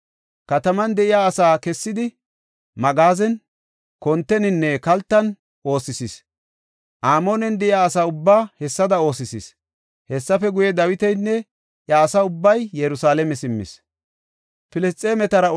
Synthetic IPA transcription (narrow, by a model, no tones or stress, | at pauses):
kɐt̪ɐmɐnd̪ɛʔɪjaːɐsaːkɛsːɪd̪ɪ | mɐɡaːzɛn | kɔnt̪ːɛnɪnːɛkɐlt̪ːɐn | ʔo̞ːsːɪsis | ʔaːmoːnɛnd̪ɛʔɪjaːɐsaːʊbːaːhɛsːɐd̪ɐo̞ːsɪsḭs | hɛsːɐfɛɡʊjɛd̪ɐwɪt̪ɛjnːɛ | jɐːsaːʊbːɐjːɛɾʊsaːlɛmɛsɪmːɪ̰s | pɪlɛst̪ʼːeːmɛt̪ɐɾɐ